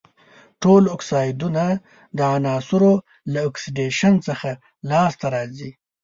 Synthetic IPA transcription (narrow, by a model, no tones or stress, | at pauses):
ʈolɔksɑjd̪una | d̪əanɑːsʊɾo | laːksiɖeʃənt͡səxa | lɑst̪aɾɑzi